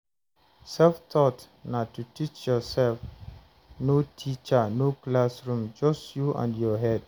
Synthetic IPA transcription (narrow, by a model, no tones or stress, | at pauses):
sɛlft̪ʰɔt | natːutit͡ʃjɔsɛlf | notʰit͡ʃənoklasɹũmd͡ʒʌstjuʔã̰ndjɔɦɛd